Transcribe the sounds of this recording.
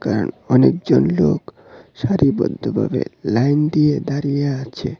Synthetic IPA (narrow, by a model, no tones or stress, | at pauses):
kaɾonɔnek̚d͡ʑonlok | ʃaɾibɔd̪ʱːobʱa̰belajnd̪ied̪aɾijaat͡ɕʰe